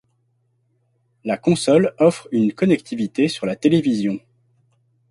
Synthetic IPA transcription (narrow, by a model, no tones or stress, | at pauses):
lakɔ̃sɔlɔfχynkɔnɛk̚t̪ʰivit̪esyʁlat̪elevizjɔ̃